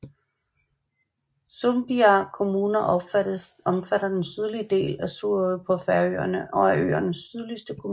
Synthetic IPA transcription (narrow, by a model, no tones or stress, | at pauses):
somb̥iɑkʰo̝muːnɐʔɒ̥ | ɒ̽mfæɾ̥ɐd̥ensyð̞ˠliəd̥e̝̰ːlæsuɐ̰pʰɒ̽fæɐø̰ːɐnəʔɒ̽æʔø̰ːɐnəsːyðˠlisd̥əkʰom